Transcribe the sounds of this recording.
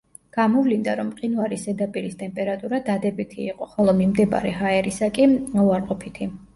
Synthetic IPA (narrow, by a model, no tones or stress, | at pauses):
ɡ̥amɔvlind̪aɾɔmqʼinvaɾisɛd̪apʼiɾist̪ʼɛmpʼɛɾat̪ʼuɾad̪ad̪ɛbit̪ʰḭːqʼɔχɔlˠɔmimd̪ɛba̰ɾɛɦaɛɾisakʼiuaɾqʼɔpʰit̪ʰi